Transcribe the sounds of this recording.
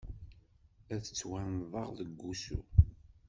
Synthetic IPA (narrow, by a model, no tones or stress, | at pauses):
æθət͡sːwænðˤɑʁðəɡːusṵ